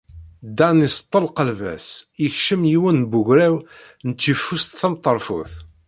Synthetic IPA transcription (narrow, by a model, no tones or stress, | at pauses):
d̪ænist̪ˤːəlqəlvæ̰sjəçʃəmjiwənbʊʝɾæw | nət͡s̪ːifːust̪θæmt̪ˤːəɾˤfṵθ